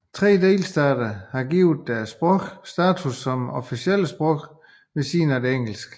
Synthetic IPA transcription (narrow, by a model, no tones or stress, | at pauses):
t͡sʰʁɛ̰ːd̥e̝̰ːlsd̥ɛːd̥ɐhɑ̈ɡ̥iːʊð̩ˠd̥æɐsb̥ʁɔɡ̥sd̥æːt͡sʰusɒ̽mɒfisiel̰əsb̥ʁɔ̽ɡ̥ | ʋe̝sḭːnɒd̥e̝eŋ̰l̩sɡ̥